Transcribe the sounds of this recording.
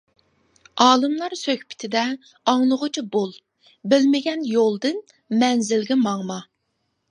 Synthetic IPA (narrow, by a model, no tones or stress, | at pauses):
ɑːlˠɨmlˠɑɾsøkʲpʰɪ̥t̪ʰɪd̪ɛ | ɑŋlˠʊʁʊt͡ʃʰibolˠ | bɪlmɪɡʲɛnjolˠd̪ɨn | mɛnzɪlɡʲɛmɑŋmɑ